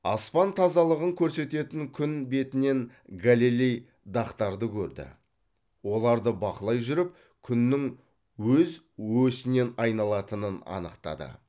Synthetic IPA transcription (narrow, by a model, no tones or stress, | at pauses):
ɑspɑnt̪ʰɑzɑlˠəʁəŋkʲʰɵɾse̞t̪e̞t̪ɪŋkʲʰʏnbe̞t̪ɪne̞n | ɡalilʲej | d̪ɑqt̪ɑɾd̪əkʲʰɵɾd̪ɪ̰ | wo̞lˠɑɾd̪əbɑqəlˠɑjʒʏɾɪp̚ | kʲʰʏnːɪŋ | wɵz | wɵsɪne̞nɑjnɑlˠɑt̪ənənɑ̰nəqt̪ɑ̰d̪ə̰